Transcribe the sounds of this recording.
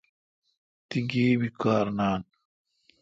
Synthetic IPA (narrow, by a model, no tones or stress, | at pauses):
t̪iɡeːbikaːɾnaːn